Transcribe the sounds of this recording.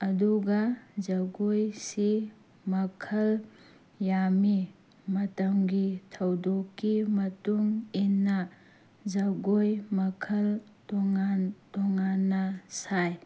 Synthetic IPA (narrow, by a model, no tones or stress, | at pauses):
ɐduɡɐzɐɡojsi | mɐkʰɐl | jami | mɐtɐmɡitʰɐwdokːimɐtuŋinːɐ | zɐɡojmɐkʰɐl | tɔŋantɔŋanːɐsaj